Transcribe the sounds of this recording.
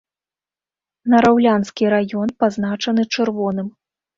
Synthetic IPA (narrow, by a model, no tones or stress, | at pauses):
nɐɾawlʲanskʲiɾajɔnpaznat͡ʂɐnɨt͡ʂɨrvɔnɨm